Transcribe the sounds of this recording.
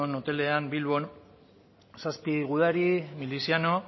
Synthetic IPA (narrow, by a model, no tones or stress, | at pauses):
onot̪e̞le̞ambilβo̞n | saspiɣuð̞aɾimilisiano̞